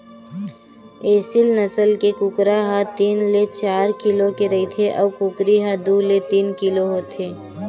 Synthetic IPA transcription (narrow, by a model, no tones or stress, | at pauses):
eːsɪlnɐsəlkekʊkɾaɦat̪iːnlet͡ʃaːɾkɪlokeɾɐit̪ʰeʔɔːʋkʊkɾiɦad̪uːlet̪iːnkɪloɦoːt̪ʰeː